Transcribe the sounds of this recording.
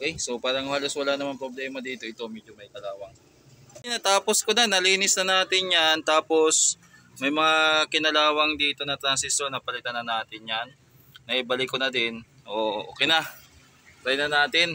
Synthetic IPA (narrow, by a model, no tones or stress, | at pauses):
ʔokɛjsopaːɾɐŋhɐlo̞swɐlanɐmaŋpɾoblɛːmɐd̪iːt̪o̞ʔɪt̪o̞mɛd͡ʒomɐjk̪ɐlaːwɐŋ | ɪnɐt̪aːposkonɐnɐliːnɪsnɐnaːt̪ɪnjant̪aːpo̞s | mɐjmɐŋakɪnɐlaːwɐŋd̪iːt̪o̞nɐt̪ɾɐnsɪsonːɐpɐlɪt̪ɐnɐnaːt̪ɪnjanː | ɐʔibɐlɪkonɐd̪ɪn | ʔoʔʔo̰ːkɪjnɐ | ɾɐjnɐnaːt̪ɪn